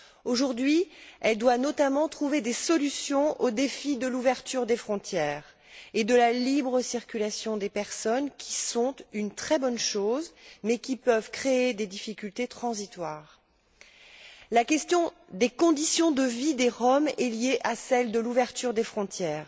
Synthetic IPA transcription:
oʒuʁd̪ɥiɛld̪wanɔt̪amɑ̃t̪χuved̪esɔlysjɔ̃ʔod̪efid̪əluvɛʁt̪yʁd̪efχɔ̃t̪jɛːʁ | ed̪əlalibʁəsiʁkʲylasjɔ̃d̪epɛʁsɔnkʲʰi̥sɔ̃t̪ynt̪χɛbɔnʃozmɛkʲipəvkχeed̪ed̪ifikʲylt̪et̪χɑ̃zit̪waːʁ | lakʲɛst̪jɔ̃ | d̪ekɔ̃d̪isjɔ̃d̪əvid̪eʁɔmɛljeʔasɛld̪əluvɛʁt̪yʁd̪efχɔ̃t̪jɛːʁ

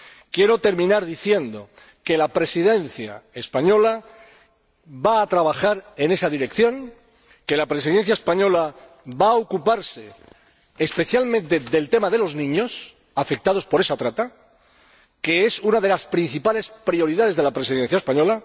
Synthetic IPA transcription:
kje̞ɾo̞t̪e̞ɾmĩnaɾðiθje̞nd̪o̞̰ | ke̞lapɾe̞siðe̞nθja̰espaɲo̞la | βaːt̪ɾaβ̞axaɾe̞ne̞saðiɾe̞kθjõ̞ŋ | ke̞lapɾe̞siðe̞n̟θjaespaɲo̞la | βaːokupaɾse̞ | espe̞θjalmẽnt̪e̞ðe̞lt̪e̞mað̞e̞lo̞znĩɲo̞s | afek̚t̪aðo̞spo̞ɾe̞sat̪ɾat̪a | ke̞e̞sunaðe̞laspɾin̟θipale̞spɾio̞ɾiðaðe̞zð̞e̞lapɾe̞siðe̞n̟θjaespaɲo̞la

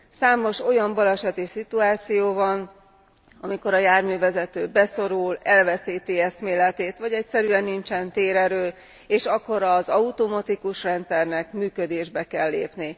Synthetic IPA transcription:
saːmo̞ʃo̞jɒmbɒlɛʃɛt̪isit̪uaːt̪sijoːvɒn | ɒmiko̞ɾɒjaːrmyːvɛzɛt̪øːbɛso̞ɾulɛlvɛsiːt̪iɛsmeːlɛt̪eːt̪ʋɒɟɛcsɛɾyɛnːint͡ʃɛnt̪eːɾɛɾøː | eːʃɒkːo̞ɾɒzɒut̪omɒt̪ikuʃrɛnt̪sɛrnɛkmyːkød̪eːʒbɛkɛlːḛːpni

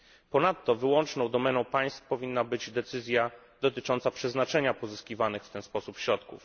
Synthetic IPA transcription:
pɔnat̪ːɔvɘwɔnt͡ʂnɔ̃w̃d̪ɔmɛnɔ̃w̃paj̃st̪fpɔvʲinːabɘd͡ʑd̪ɛt̪sɘzʲja | d̪ɔt̪ɘt͡ʂɔnt̪sapʂɛznat͡ʂɛɲapɔzɘskʲivanɘxft̪ɛnspɔsupɕɾɔt̪kuf

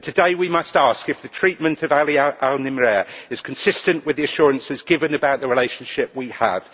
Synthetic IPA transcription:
tʰɨdeɪwimʌstɑˑskɨfðətʰɹ̥iˑʔ̚mə̃ntʰəvaliʔalˠnɪmɹɛɹɪz̥kʰə̃nsɪstə̃nʔwɪðiɨʃɔːɹə̃nsɪzɡɪvə̃nɨbaʊʔ̪ðəɹɪleɪʃə̃n̩ʃɪp̚wiə̰v̥

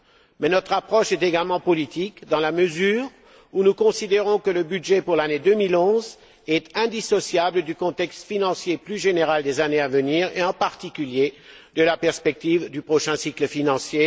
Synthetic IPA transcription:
mɛnɔt̪χapχɔʃɛt̪eɡalmɑ̃pɔlit̪ikd̪ɑ̃laməzyːʁ | unukɔ̃sid̪eʁɔ̃kələbyd̪ʒɛpuʁlaned̪ømilɔ̃z | ɛt̪ɛ̃d̪isɔsjabləd̪ykɔ̃t̪ɛkst̪finɑ̃sjeplyʒeneʁald̪ezaneavəniːʁḛɑ̃paʁt̪ikʲyljed̪əlapɛʁspɛk̚t̪ivd̪ypχɔʃɛ̃sikləfinɑ̃sje

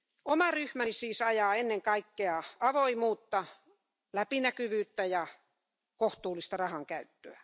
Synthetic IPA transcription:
omɑryhmænisiːsɑjɑːenːeŋkɑikːeɑɑʋoimuːt̪ːɑ | læpinækyʋyːt̪ːæjɑ | koht̪uːlist̪ɑrɑhɑŋkæyt̪ːøæ

